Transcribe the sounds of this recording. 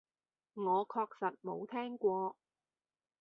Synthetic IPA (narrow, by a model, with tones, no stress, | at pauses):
ŋɔː˨˧kʰɔː˧k̚sɐ˨t̚mo˨˧wt̪ʰɛː˥ŋkʷɔː˧